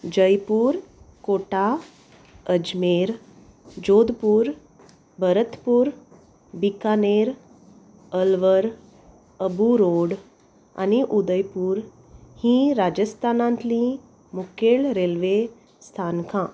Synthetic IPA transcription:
d͡ʑəjpuːɾkoʈa | əd͡ʑmeɾ | d͡ʑod̪puːɾ | bəɾət̪puːɾ | bikaneɾ | əlʋəɾ | əbuɾoɽ | a̰niʔud̪əjpuːɾ | hĩɾad͡ʑəst̪ʰanãnt̪lĩ | mukeɭɾelʋe | st̪ʰankʰã

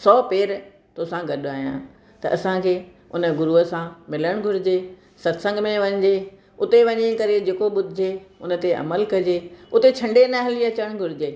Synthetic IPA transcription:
sɔːpeːɾ | t̪oːsãɡɐɗaːɦijã̰ | t̪ɐʔɐsãkʰeː | ʊnə̆ɡʊɾuəsãmɪləɽ̃ɡʱʊɾɪd͡ʑeː | sɐt̪sə̃ŋɡmẽʋɐ̃ɲd͡ʑeː | ʊt̪eʋɐɲĩkɐɾed͡ʑeːkoɓʊd̪ʱɪd͡ʑʱeʊn̆t̪eɐ̰məlkɐd͡ʑeʊt̪et͡ɕʰɐ̃ɳɖenaɦɪliɐt͡ɕəɽ̃ɡʱʊɾɪd͡ʑeː

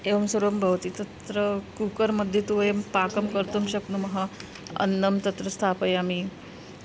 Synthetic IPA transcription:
eʋɐmsuɾombʱəʋt̪iːt̪ət̪ɾəkukəɾməd̪ʱjet̪uʋjempakəmkəɾt̪umɕəknumɐɦa | ə̰nːəmt̪ɐt̪ɾəst̪ʰapəjami

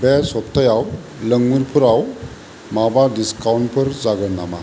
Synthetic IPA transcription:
bɛsɔptʰəjaw | ləŋmuɾpʰuɾaw | mabadiskawnpʰɯɾzaɡəɾna̰ma̰

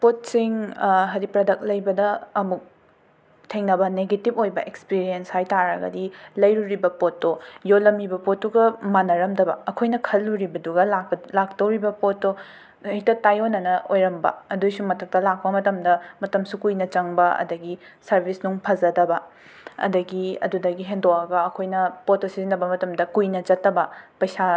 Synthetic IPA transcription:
pot̚siŋɦɐɾipɾɐdɐk̚lɐjbɐdɐːmuk̚ | tʰeŋnɐbɐneɡetipojbɐʔekspiɾienshajtaɾɐɡɐ̰dilɐjɾuɾibɐpotːojolɐmibɐpotːuɡɐmanɐɾɐmdɐbɐ̰ɐkʰojnɐkʰɐlːuɾibɐduɡɐlalak̚tɐwɾibɐpotːo | itɐtajonːɐnɐʔojɾɐmbɐ̰ɐdujsumɐtʰɐk̚tɐlak̚pɐmɐtɐmdɐmɐtɐmsukujnɐt͡ʃɐŋbɐɐ̰dɐɡisɐɾbʱisnuŋpʰɐzɐdɐbɐ | ɐ̰dɐɡiɐ̰dudɐɡiɦendowɐɡɐɐkʰojnɐpotosizinɐbɐmɐtɐmdɐkujnɐt͡ʃɐtːɐbɐpɐjsa

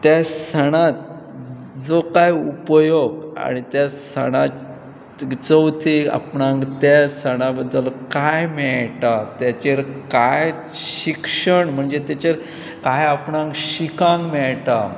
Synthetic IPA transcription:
t̪jasəɽ̃ãt̪̚ | d͡zokajupjoɡa̰ɽ̃it̪jasəɽ̃a | t͡səwt̪ʰia̰pɳãŋkt̪asəɽ̃abəd̪ːəlkajmɛɭʈat̪jat͡ɕeɾkaj | ɕɕikʂəɳm̤əɳd͡zet̪jat͡ɕeɾ | kajapɳãŋkɕikãŋkmɛɭʈa

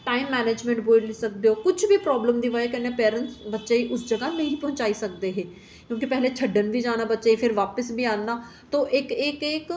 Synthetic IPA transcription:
ʈaːɪmːɛːneːd͡ʒmɛ̃ɳʈboːlsɐk̚d̪eoːkʊt͡ʃʰbʱipɾɔːbləmd̪iʋəekɛnepɛːɾə̃nʈsbɐtːʃaiʔʊsd͡ʒɐɡanɐɦĩpɐɦʊ̃ɲt͡ʃaːisɐk̚d̪eɦɛ̃ː | kjõːkipɛɦlet͡ʃʰɐɖːənbʱid͡ʒaːnabɐtːʃaifʰɪɾʋaːpəsbʱiaːnːa | t̪oʔeːkeːkeːk

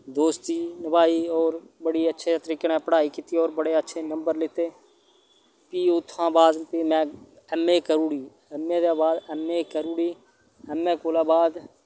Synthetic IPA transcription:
d̪oːst̪iːnəbaːiːɔːɾbəɽiːətːʃʰeːt̪əɾiːkenɛ̃ːpəɽaːiːkit̪iːoːɾbəɽeːətːʃʰeːnəmbəɾlɪt̪eː | piːʊt̪ʰːãːbaːd̪piːmɛ̃ː | ɛmːeːkəɾũːɽiː | ɛmːẽːd̪aːbaːd̪ɛmːeːkəɾuːɽiː | ɛmːẽːkoːlaːbaːd̪

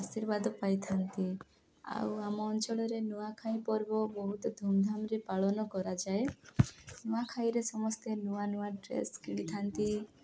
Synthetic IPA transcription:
asiɾbad̪ɔpajt̪ʰant̪i | a̰wamɔːnt͡ʃɔɭɔɾenuakʰaij̃pɔɾbɔbɔɦut̪ɔd̪ʱumd̪ʱamɾepaɭɔnɔkɔɾad͡ʒae | nuakʰãj̃iɾesɔmɔst̪enuanuaɖɾḛskiɽit̪ʰant̪i

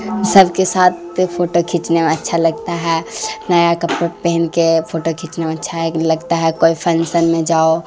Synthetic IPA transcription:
səbʱkesaːt̪̚ʰ | pʰoʈokʰit͡ʃnemẽətːʃʰaləɡt̪aɦɛnəjakəpɾpeɦnkepʰoːʈokʰit͡ʃnemẽətːʃʰaɦɛləɡt̪aɦɛkoːipʰənsənmẽd͡ʒaːo

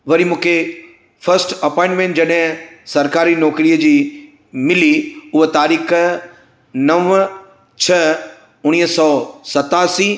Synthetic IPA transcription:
ʋɐɾimũːkʰe | fɐɾsʈɐpɔ̃ɪ̃ɳʈmẽːnʈd͡ʑɐɗɦɪ̃sɐɾkaːɾinɔːkɾiːəd͡ʑiː | mɪliʊɦet̪aːɾiːx | nɐʋ | t͡ɕʰɐ | ʊɽ̃iːɦsɔːsɐt̪aːsiː

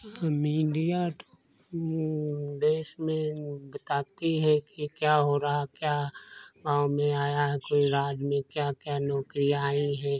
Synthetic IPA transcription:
miːɖijat̪o̥ | d̪eːʃmẽbət̪aːt̪iɦɛkikjaːɦoːɾaɦakjaːɡãːwmẽaːjaɦɛkoːiɾaːd͡ʒmẽkjakjaːnɔːkɾijaːiɦɛː

